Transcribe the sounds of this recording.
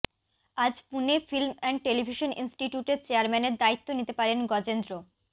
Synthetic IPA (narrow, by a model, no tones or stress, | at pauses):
ad͡ʑpunefilmɛɳɖ̚ʈelibʱiʃonʔḭnsʈiʈjuʈeɾt͡ɕeaɾmɛneɾd̪ait̪ːonit̪epaɾenɡɔd͡ʑend̪ɾo